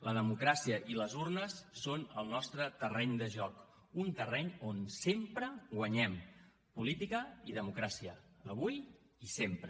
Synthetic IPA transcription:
ləðəmukɾasiəʔiləzurnəsːonəlˠnɔst̪ɾət̪ərɛɲd̪əʒɔk | unt̪ərɛɲonsempɾəɡwəɲɛm | pulit̪ikəiðəmukɾasiəəβuj | isempɾə

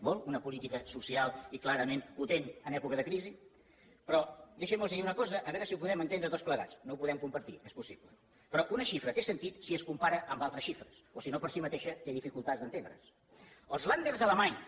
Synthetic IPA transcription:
molˠunəpulit̪ikəsusialˠiklaɾəmenput̪enənɛpukəðəkɾizi | pɾɔd̪eʃəməlˠsəðiunəkɔzəʔəβɛɾəsiupuðɛmənt̪end̪ɾət̪ospləɣa̰t͡snoupuðɛmkumpəɾt̪iʔɛspusiβlə | pɾɔʔunəʃifɾət̪esənt̪it̪siəskumpaɾəʔəmbalˠt̪ɾəsʃifɾəsosinopəɾsimət̪eʃət̪eðifikulˠt̪azd̪ənt̪enɾə̰s | əlˠzland̪eɾzələmaɲ

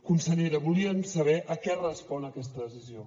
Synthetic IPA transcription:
kunsəʎeɾəβuliəmsəβ̞ɛʔəkɛrəspɔnəːkɛst̪əðəsizio

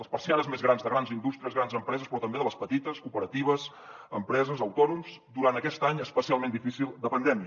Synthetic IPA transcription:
əspəɾsianəzmezɣɾanzðəɣɾanzind̪ust̪ɾiəzɣɾanzəmpɾɛzəspɾɔt̪əmbeðələspət̪it̪əskupəɾət̪iβ̞əz | ə̰mpɾɛzəzəwt̪ɔnumzd̪uɾant̪əkɛst̪aɲəspəsialˠmend̪ifisilˠd̪əpənd̪ɛmiə

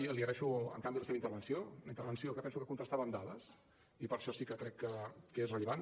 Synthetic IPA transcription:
iəliərɛʃuə̰ŋkambiðələseβəint̪əɾβənsioəint̪əɾβənsiokəpɛnsukəkunt̪ɾəst̪aβəmd̪aðəs | ipəɾʃɔsikəkɾɛkːəkəesrəʎəβan

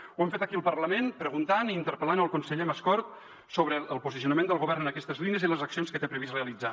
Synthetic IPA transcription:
wɛmfet̪əkiəlˠpəɾləmenpɾəɣunt̪anint̪əɾpəlanəlˠkunsəʎeməskɔɾt̪̚ | soβɾəːlˠpuzisiunəmend̪əlˠɣuβɛrnənəkɛst̪əzliniəziləzəksionskət̪epɾəβ̞isreəlid͡za

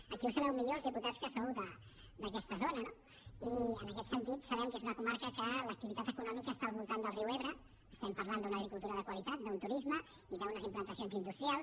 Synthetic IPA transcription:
əkiwsəβɛwmiʎolzðiput̪at̪skəsowðə | d̪əkɛst̪əzonəno | iənəkɛt̪sənt̪it̪səβɛmkezunəkumaɾkəkələk̚t̪iβit̪at̪əkunɔmikəːst̪aːlˠβulˠt̪and̪əlriwɛβɾəː | st̪ɛmpɐɾland̪unəɣɾikulˠt̪uɾəðəkwəlit̪at̪̚d̪unt̪uɾizmə | iðəunəzimplənt̪əsionzind̪ust̪ɾialˠ

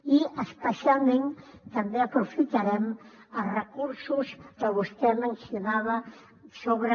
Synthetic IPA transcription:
iəspəsialˠmẽnt̪ambeəpɾufit̪aɾɛm | ərəkuɾsuskəβust̪ɛmə̃nsjunaβə | soβɾə

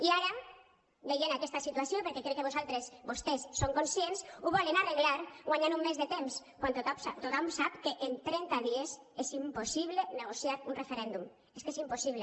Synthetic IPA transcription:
iaɾa | bejenakɛst̪asit̪uasijopeɾkɛkɾekːeβozalˠt̪ɾesbost̪esːoŋkonsjensuβɔlenareɣlaɾɣwaɲaɾumːezðet̪ems | kwant̪ot̪asat̪ot̪amsapkeʔent̪ɾɛnt̪aðiesezimposiβleneɣ̞osjaɾunrefeɾɛnd̪um | eskesimposiβle

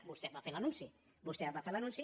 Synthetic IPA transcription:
bust̪ebafeɾlanũnsi | bust̪eabafeɾlanũnsi

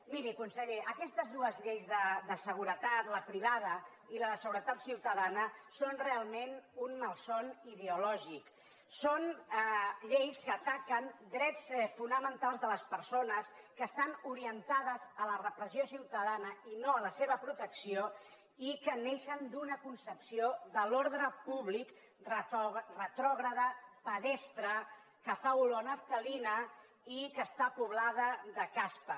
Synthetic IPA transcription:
miɾikunsəʎeʔəkɛst̪əzðuəzʎejzðəd̪əsəɣ̞uɾət̪at̪ləpɾiβ̞að̞ə | iləðəsəɣuɾət̪at̪siwt̪əðanəsonrealˠmenunməlˠsoniðeulɔʒik | son | ʎejskəːt̪akənd̪ɾɛtt͡sfunəmənt̪alˠzðələspəɾsonəskəːst̪anuɾiənt̪að̞əzələrəpɾəziosiwt̪əðanəinoələseβəpɾut̪əksio | ikəneʃənd̪unəkunsəpsioðəloɾðɾəpuβlik | rrət̪ɾɔɣɾəðəpəðɛst̪ɾə | kəfaulonəft̪əlinə | ikəst̪apuβ̞laðəðəkaspə

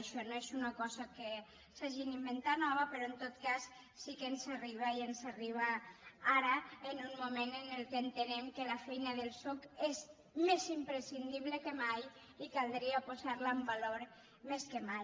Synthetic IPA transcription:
ʃɔnoezunakɔzake | saʒinimbent̪anɔβapeɾɔent̪ot̪kasː | ikensariβ̞aiensariβ̞aaɾəenunmumenenelˠkeːnt̪enemkelafɛjnaðelˠsokez | mezimpɾesind̪iβlekemaj | ikalˠd̪ɾiapozaɾlaːmbaloɾ | meskemaj

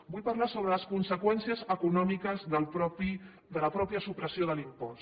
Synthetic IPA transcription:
buʎpɐɾlasoβɾələskunsəkwɛnsiəzəkunɔmikəzðəlpɾɔpi | d̪ələpɾɔpjəsupɾəsioðəlimpɔs

